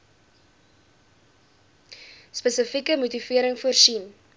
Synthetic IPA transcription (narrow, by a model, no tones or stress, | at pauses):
spəsəfikəmutiviəɾəŋfuərsin